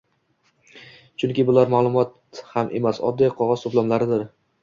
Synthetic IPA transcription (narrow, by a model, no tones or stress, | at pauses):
t͡ʃʰʊŋkʲɪbʊlaɾmalˠʊmɒt̪ | hamʔe̞̰masɒ̰d̪ːijqʰɒʁɒzsʊblˠɒmlaɾɪd̪ɪɾ